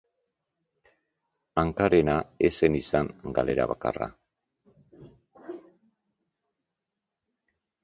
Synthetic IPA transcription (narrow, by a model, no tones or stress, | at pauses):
aŋkaɾenaese̞nisaŋɡale̞ɾa̰βaka̰ra̰